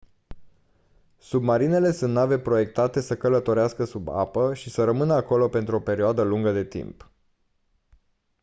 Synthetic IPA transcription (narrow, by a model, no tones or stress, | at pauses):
submaɾine̞le̞sunt̪nave̞pɾo̞je̞k̚t̪at̪e̞səkələt̪o̞ɾeaskəsuba̰pəʃisəɾəmɨnəako̞lope̞nt̪ɾuo̞pe̞ɾioad̪əluŋɡəd̪e̞t̪ḭmp